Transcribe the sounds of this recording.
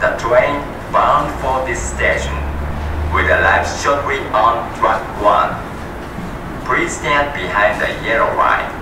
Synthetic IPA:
dətʰɹẽɪ̃n | bãʊ̃ndfɔdisteʃɔ̃nwɪdəlaɪfsʃɔt̚wiɔ̃ndɹak̚ | wã̰n | pʰɹistə̃nbihãɪ̃ndə̰jiəɹəɹa̰ɪ

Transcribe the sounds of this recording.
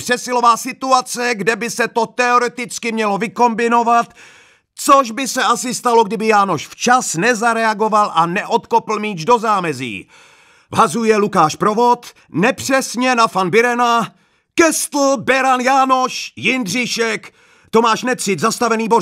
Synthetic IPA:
pr̥ɛsɪlo̞vaːsɪt̪uat͡sɛɡdɛbɪsɛt̪o̞t̪ɛo̞ɾɛt̪ɪt͡skɪmɲɛlo̞vɪko̞mbɪno̞vat̪ | t͡soʒbɪsɛʔasɪst̪alo̞ɡdɪbɪjaːnoʃft͡ʃasnɛzaɾɛaɡo̞valʔanɛʔo̞t̪kopl̩miːd͡ʒdo̞zaːmɛzḭː | vɦazujɛlukaːʃpɾo̞vot̪ | nɛpr̝̥ɛsɲɛnafanbɪɾɛna | kɛst̪l̩bɛɾanjaːno̞ʃjɪndrɪʃɛk | t̪omaːʃnɛt̪sɪt̪zast̪avɛniːbo

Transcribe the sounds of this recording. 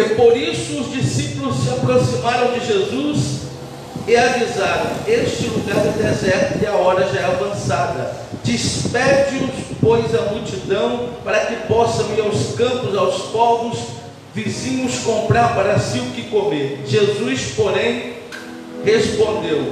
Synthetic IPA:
ɪpoɾisʊʊzd͡ʒisipʊlʊssːɪapɾosimaɾɐ̃w̃d͡ʒɪʒezus | ɪavizaɾɐ̃w̃eʃt͡ʃɪluɡaɾd̪ʊd̪ezɛɾt̪ʊɪaɔɾɐʒaɛavɐ̃sad̪ɐ̰ | d͡ʒɪspɛd͡ʒɪʊspojzɐmut͡ʃid̪ɐ̃w̃paɾɐkɪpɔsɐ̃iɾawskɐ̃pʊzawspɔvʊs | vizĩmʊskõmpɾaɾpaɾɐsiʊkɪkomeɾʒezuspoɾẽj̃ | hespõnd̪ew

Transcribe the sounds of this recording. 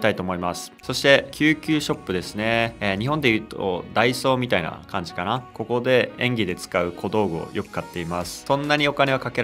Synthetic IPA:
t̪ait̪oːmo̞imasɨ̥so̞ɕi̥t̪e̞kʲɨːkʲɨːɕo̞pːɯ̟d̪e̞sɨne̞ɲ̟ihõ̞nd̪e̞jɯ̟ːt̪o̰d̪aiso̞ːmʲit̪aina̰kãɲ̟d͡ʑi̥kanako̞ko̞d̪e̞ẽ̞ŋɡʲid̪e̞t͡sɨ̥kaɯ̟kʰo̞d̪o̞ːɡɯ̟o̰jʔo̞kɯ̟̥kat̪ːe̞imasɨ̥sõ̞nːaɲ̟io̞kane̞βakake̞

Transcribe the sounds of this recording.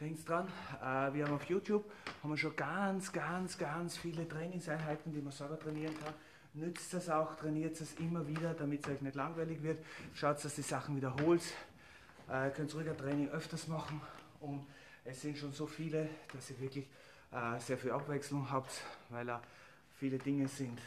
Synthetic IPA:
d̥hɛŋktsd̥ʁanɛːviːɐhamaʊfjuːtʰjuːb̥hamviɐʃoːnɡant͡sɡ̥ant͡sɡ̥ant͡sfiːlətʁ̥ɛːnɪŋsaɪnɦaɪtn̩d̥iːmɐsɔɐɡɐtʁ̥ɛniːʁənkʰan | nʏt͡stasaʊxtʁ̥ɛniːɐtsd̥asʔɪmɐviːdɐdamɪtsɔʏçnɛtlaŋvaɪlɪçvɪɐtʃaʊtsd̥asd̥iːz̥aχn̩viːdɐɦoːls | ʔkʰœnt͡sʁʏɡɐtʁ̥ɛːnɪŋʔœftɐsmɑχn̩ | ʊnt | ɛsːɪnʃoːnsoːfiːləd̥asiːɐvɪɐklɪç | ʔːseːɐfiːlapv̥ɛksl̩ʊŋɦaːptvaɪldaː | fiːlədɪŋəzɪnt

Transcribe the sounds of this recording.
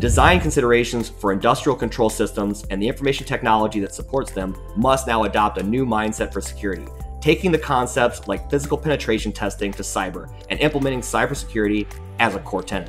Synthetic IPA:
d̥ɨzãɪ̃nkʰɨ̃n̩sɪɾə˞eɪʃɨ̃nz̥fə˞ɨ̃ndʌstɹ̥il̩ˠkə̃ntʰɹ̥oʊlˠsɪstə̃mzɨ̃nðiɪ̃ɱfə˞meɪʃn̩tʰɛk̚nɑlˠəd͡ʒiðɨtsəpʰɔɹtsðɨ̃mː | ʌstⁿnaʊədɑp̚tɨnʉmãɪ̃nd̥sɛtfə˞sɨ̥kʰj̥ʊɹɨɾḭtʰeɪkɪ̃ŋðɨkʰɑ̃nsɛp̚tslaɪkfɪzɨkl̩ˠpʰɛñɨtʰɹ̥eɪʃn̩tʰɛstɪ̃ŋtʰɨsaɪbə̰˞ | ʔɨ̃nʔɪ̃mpləmɛ̃ɾ̃ɪ̃ŋsaɪbə˞sə̥kʰj̥ʊɹɨɾi | ɨzəkʰɔɹtʰɛ̃n

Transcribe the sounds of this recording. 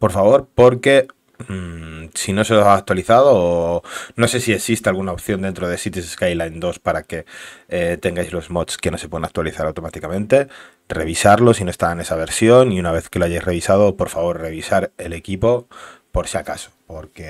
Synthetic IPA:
po̞ɾfaβo̞ɾpo̞ɾke̞ | msino̞seoaak̚t̪waliθað̞o̞ːno̞se̞sie̞sist̪ealɣ̞unaopθjo̞nd̪e̞nt̪ɾoð̞e̞sit̪is̬eskajlaend̪o̞spaɾake̞ | t̪e̞ŋɡajzlo̞zmo̞t̪ske̞no̞sepe̞ðanak̚t̪waliθaɾawt̪o̞mat̪ikamẽ̞nt̪e̞ | re̞̰β̞isaɾlo̞sinost̪aene̞saβ̞e̞ɾsjo̞niunaβ̞e̞θke̞loaʝajsre̞β̞isað̞opo̞ɾfaβo̞ɾre̞β̞isaɾe̞le̞kipo̞po̞ɾsjakaso̥po̞ɾke̞

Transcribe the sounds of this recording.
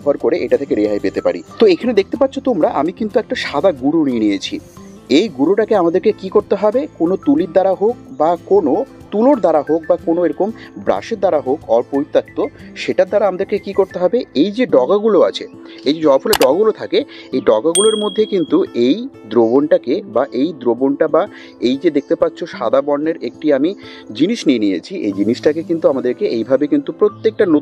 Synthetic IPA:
faɾkoɾeʔeʈat̪ʰekeɾeɦaepet̪epa̰ɾit̪oekʰaned̪ek̚t̪epat̪ːɕʰot̪omɾaʔamikint̪uɛk̚ʈaʃad̪aɡuɾunienijet͡ɕʰi | ejɡuɾuʈakeamad̪eɾkekikoɾt̪eɦɔbekonot̪ulid̪aɾaɦok̚bakono | t̪uloɾd̪aɾaɦok̚bakonoeɾokombɾa̰ʃeɾd̪aɾaɦokɔɾpoɾit̪ːak̚t̪oʃeʈaɾd̪aɾaamad̪eɾkekikoɾt̪eɦɔbeejd͡ʑeɖɔɡaɡuloat͡ɕʰeejd͡ʑed͡ʑɔafʰuleɖɔɡaɡulot̪ʰakeejɖɔɡaɡuloɾmod̪ʱːekint̪uejd̪ɾobonʈakebaʔejd̪ɾobonʈaba | ejd͡ʑed̪ek̚t̪epatːɕʰoʃad̪abɔnːeɾek̚ʈiami | d͡ʑiniʃnienijḛt͡ɕʰiʔḛjd͡ʑiniʃʈakekint̪uamad̪eɾkeʔejbʱabekint̪upɾot̪ːek̚ʈano

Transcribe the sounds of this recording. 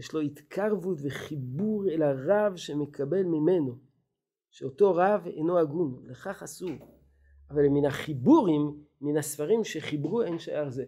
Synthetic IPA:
jeʃlo̞it̪kʰaʁvutveχibuʁelaʁavʃemekʰabe̞lmime̞no̞ | ʃeoto̞ʁavḛjnoaɡunleχaχasuʁ | avalminaχibuʁimː | inasfaʁimʃe̞χibʁuenʃaaʁze

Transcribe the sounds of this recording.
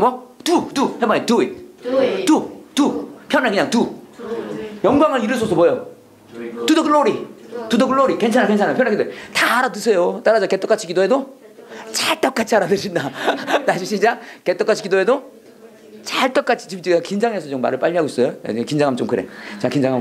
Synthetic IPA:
mwʌtutuhemaitui | tutupʰjʌnakɯɲaŋtu | jʌŋɡwaŋɯɾiɾɯɭsʰʌs̬ʰʌpojo | tudokɯlːoɾitudokɯɭlːoɾikent͡ɕʰanakent͡ɕʰanajopʰʌnakidoetaːɾat̬ɯsʰejot͈aɾad͡ʑaket͈ʌk͈at͡ɕʰikidoɦe̞do | t͡ɕaɭt͈ʌk͈at͡ɕʰiaɾadɯɾindanaɕʰiɕ͈ʰid͡ʑaket͈ʌk͈at͡ɕʰi̥kidoɦe̞do | t͡ɕaɭt͈ʌk͈at͡ɕʰi̥t͡ɕimt͡ɕiakind͡ʑaŋesʰʌt͡ɕomːa̰ɾɯɭp͈aʎːiɦaɡois͈ʌjoa̰d͡ʑikind͡ʑaŋamt͡ɕomkɯɾḛt͡ɕakind͡ʑaŋɦa

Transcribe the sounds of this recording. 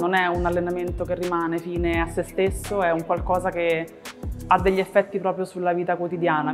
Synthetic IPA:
nonɛunalːenament̪okerːimaːnefiːneasːest̪esːoɛuŋkwalkɔːzake | ad̪ːeʎːiefːɛt̪ːipɾɔːpɾjosulːaviːt̪akwot̪id̪jaːna

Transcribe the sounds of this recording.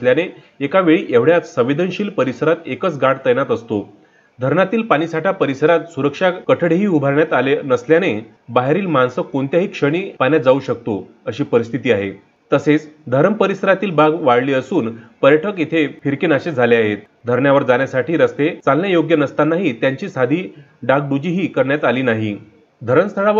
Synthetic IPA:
ljaneː | kaʋeɭiːʔeʋɽjat͡ssəʋed̪ʱənɕiːlpəɾisəɾat̪ekət͡sɡaɽt̪əjnat̪əst̪o | d̪ʱəɾɳat̪iːlpaɽ̃iːsaʈʰjapəɾisəɾat̪suɾəkʂakəʈʰəɽɦiːubʱaɾɳjat̪alenəsljane | baɦeɾiːlmansəkoɳt̪jaɦiːkʂəɽ̃iːpanjat̪̚d͡zauːɕək̚t̪o | əɕiːpəɾis̬t̪ʰit̪iːaɦḛ | t̪əset͡sd̪ʱəɾəmpəɾisəɾat̪iːlbaɡʋaɽliːəsuːnpəɾjəʈʰəkit̪ʰefiɾkenaɕed͡zʱaleaɦet̪̚ | d̪ʱəɾɳjaʋəɾd͡zanjasaʈʰiːɾəst̪et͡salnjajoɡjənəst̪anaɦit̪jaɲt͡ɕiːsad̪ʱiː | ɖaɡ̚ɖud͡ʑiːɦiːkəɾɳjat̪aliːnaɦi | d̪ʱəɾəmst̪ʰəɭaʋə

